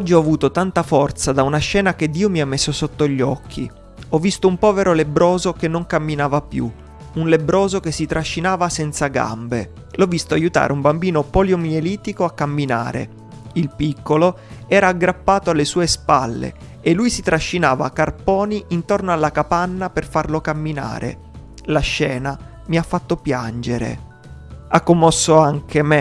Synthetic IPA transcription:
ɔd͡ʒːiɔavuːt̪ot̪ant̪afɔrt̪sad̪aunaʃːɛːnaked̪ːiːomiamːesːosot̪ːoʎːɔkʰːḭ | ɔvːist̪oumpɔːveɾolebɾɔːzokenːoŋkamːinaːvapjṵ | unlebɾɔːzok̟esːit̪ɾʔaʃːinaːvasɛnt̪saɡa̰mbe | lɔvːist̪oajut̪a̰ːɾeumbambiːnopɔljomieliːt̪ikoakːamːina̰ːɾḛ | ilpikːolo | ɛːɾaːɡɾapːaːt̪oalːesuːespalːḛ | elːujsit̪ɾaʃːinaːva̰karpɔːniʔint̪ornoalːakapanːaperfarlokamːina̰ːɾḛ | laʃːɛːna | miafːat̪ːopjand͡ʒeɾḛ | akːomːɔsːoaŋkʰeme

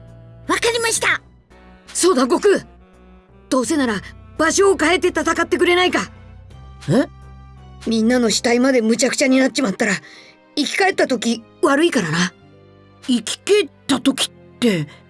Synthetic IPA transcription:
βakaɾʲimaɕi̥t̪a | so̞ːd̪aɡo̞kɯ̟ | d̪̥o̞ːse̞naɾabaɕo̞ːkae̞t̪ːe̞t̪at̪akat̪ːe̞k̬ɯ̟ɾe̞naika | e | mʲĩnːano̞ɕi̥t̪aimad̪e̞mɯ̟t͡ɕakɯ̟̥t͡ɕaɲ̟inat̪ːet͡ɕimat̪ːaɾa | ikʲi̥kae̞t̪ːat̪okʲiβaɾɯ̟ikaɾana | ikʲi̥tet̪ːat̪o̞kʲi̥t̪ːe̞

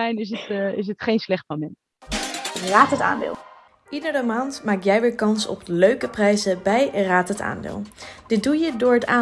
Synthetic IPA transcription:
ɛjnɪs̬ətɪs̬ətχejnslɛχtmomɛn | raːtɦəta̰ːndɪ̰ːlˠ | ʔidərəmaːntmaːk̚jɛjʋɪːɹkɑnsɔ̰pløɥkəprɛjzəbɛjraːtəta̰ːndɪ̰ːlˠd̥ɪt̚dujədʊːɹɦətaː

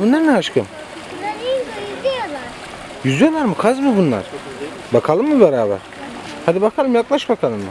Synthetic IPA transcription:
bunaɾnɛɦaʃkʰɯm | jzjolˠaɾ | jyzijolˠaɾmɯkʰazmɯbunlˠa̰ɾ̥ | bakʰalˠɯmːubɛɾaːbɛ̰ɾ̥ | had̪ibakʰalˠɯmjaklˠaʃbakʰalˠɯmːɯ

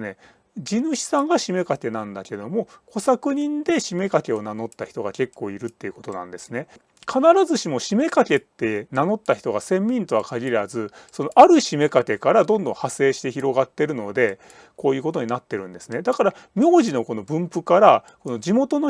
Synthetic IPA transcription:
ne̞ | d͡ʑinɯ̟ɕi̥sãŋɡaɕime̞kake̞nãnd̪ake̞d̪o̞mo̞ko̞sakɯ̟ɲ̟ĩnd̪e̞ɕime̞kake̞o̞nano̞t̪ːaçi̥t̪o̞ɡa̰ke̞kːo̞ːiɾɯ̟t̪ːe̞iɯ̟ko̞t̪o̞nã̰nd̪e̞sɨ̥ne̞ | kʰanaɾazɨɕimo̞ɕime̞kake̞t̪ːe̞nano̞t̪ːaçi̥t̪o̞ɡasẽ̞mːʲĩnt̪o̞βakaɡʲiɾazɨso̞no̞ʔaɾɯ̟ɕime̞kake̞kaɾad̪õ̞nd̪õ̞hase̞ːɕi̥t̪e̞çiɾo̞ɡat̪ːe̞ɾɯ̟no̞d̪e̞ | ko̞ːjɯ̟ːko̞t̪o̞ɲ̟inat̪ːe̞ɾɯ̟̃nd̪e̞sɨne̞d̪akaɾa | mʲjo̞ːʑino̞ko̞no̞bɯ̟̃mpɯ̟kaɾa | ko̞no̞d͡ʑimo̞t̪o̞no

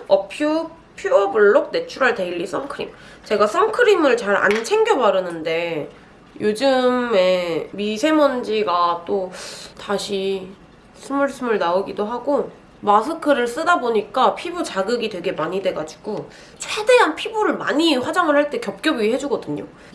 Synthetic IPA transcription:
ʌpʰju | pʰjuʌbuɭːok̚ne̞t͡ɕʰuɾaɭte̞iʎːis͈ʌŋkʰɯɾḭm | t͡ɕe̞ɡas͈ʌŋkʰɯɾimɯɭt͡ɕaɾa̰nt͡ɕʰe̞ŋɡjʌbaɾɯnɯnde̞ | jod͡ʑɯme̞misʰe̞mʌnd͡ʑiɡat͈otaɕʰi | sʰɯmuɭs͈ʰɯmuɭnaoɡidoɦaɡo | masʰɯkʰɯɾɯɭs͈ɯdaboɲik͈apʰibut͡ɕaɡɯɡitwe̞ɡe̞maɲidwe̞ɡad͡ʑuɡ̥o | t͡ɕʰwe̞de̞ɦanpʰibuɾɯɭma̰ɲiɸwad͡ʑaŋɯɭhaɭt͈e̞kjʌp̚k͈jʌbiiɦe̞d͡ʑuɡʌdɯɲo̰

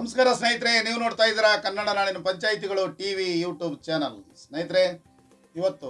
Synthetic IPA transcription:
nɐmɐskaːɾɐsnɐjt̪̬ɾeniːʋunoːɽt̪aːjd̪iːɾɐkɐnːɐɽɐnaːɭinɐpɐɲt͡ʃaːjit̪iɡɐɭuʈiːʋijuːʈjuːbt͡ʃaːnɐlsnɐjit̪ɾe | iʋɐt̪ːu

